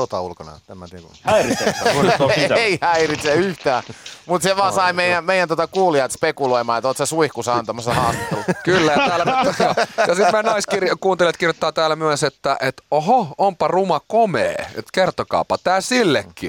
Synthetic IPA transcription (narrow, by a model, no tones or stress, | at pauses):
sot̪ɑ̰ulkonɑ̰t̪æmːæt̪ikṵær | eihæirit̪seyht̪æːmut̪seʋɑːsɑimeijæmeijˑænt̪ot̪ɑkuːliɑt̪spekuloimɑːet̪ot̪sesuihkusɑɑnt̪ɑmɑsːɑhɑːst̪it̪ːḛlːukylːæjɑt̪æːlːæoːjɑsitmænɑiskirjkuːnt̪elet̪kirjot̪ːɑːt̪æːlæmyæset̪ːæʔet̪ohoompɑrumɑkomḛːḛt̪kert̪okɑ̰ːpɑt̪æːsilːekːḭ